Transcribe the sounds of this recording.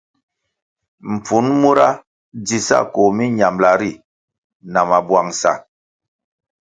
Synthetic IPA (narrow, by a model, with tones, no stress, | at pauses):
m̩˨p͡fu˨˦nmu˦ɾa˦ | d͡zi˨sa̰˦˨ko˨mi˦ɲa˨mla˨ɾi˦˨ | na˨ma˨bwa˨ŋsa̰˨